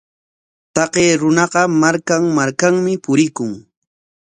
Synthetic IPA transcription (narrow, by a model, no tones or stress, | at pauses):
t̪ɑqeːɾʊnɑɢɑmaɾkaŋmaɾkaŋmɪpʊɾɪkʊŋ